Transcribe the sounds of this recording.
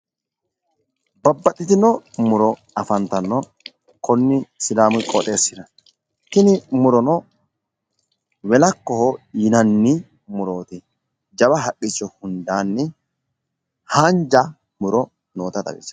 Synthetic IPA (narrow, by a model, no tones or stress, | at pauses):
bɐbːɐtːɪt̪ɪnɔmʊɾɔ | ɐfɐnt̪ɐnːɔ | kɔnːɪsɪlaːmʊkʼɔt̪ʼe̞ːsːɪd̪ɐ | t̪ɪnɪmʊɾɔnɔ | wɛlɐkːɔhɔjɪnɐnːɪ | mʊɾo̞ːt̪ɪ | d͡ʒɐbɐɦɐkʼːɪt͡ʃːɔhʊnd̪aːnːɪ | haːnd͡ʒa | mʊɾɔ | noːt̪ɐt̪ɐ̰ɡɪ̰t͡ʃːɐ̥